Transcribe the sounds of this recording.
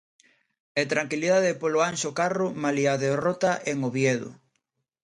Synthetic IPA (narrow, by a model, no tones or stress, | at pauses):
et̪ɾaŋkiliðaðɪpoloanʃokarʊmaliaðerot̪aʔeŋoβjeðʊ̰